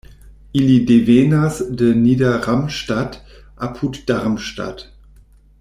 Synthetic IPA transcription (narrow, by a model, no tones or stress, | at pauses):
ʔilideveːnasdənidɐʁamʃtat | ʔapʰutd̥aʁmʃta̰t